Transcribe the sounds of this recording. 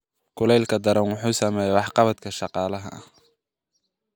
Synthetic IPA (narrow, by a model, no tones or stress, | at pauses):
kʰʊlɛjlkʰɐd̪ɐɾɐnwʊħuːsɐmɛːjɛwɑħqɑβɐt̪kʰɐʃɑqɑːlɐɦɐ̰ʔɐ̰h